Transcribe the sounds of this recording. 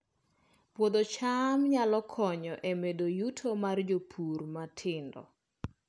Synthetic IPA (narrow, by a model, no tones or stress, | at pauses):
pwod̪ot͡ʃamɲalɔkʰɔɲɔʔemedojutʰomard͡ʒopʰurmatʰɪndɔ̰